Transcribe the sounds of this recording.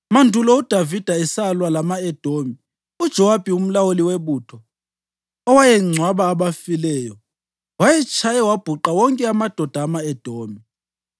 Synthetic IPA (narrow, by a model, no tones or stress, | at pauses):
mandʱulɔud̥ʱavid̥ʱaɛsalwalamaɛd̥ʱomi | ud̥ʒ̥ʱɔwab̥ʱium̩lawoliweβuːtʰɔ | ɔwajɛŋ͡ǀʱwaβaːɓafilɛːjɔ | wajɛt͡ʃʼʰajɛwab̥ʱuǃawɔŋkʼɛamad̥ʱɔd̥ʱaːmaɛd̥ʱoːmi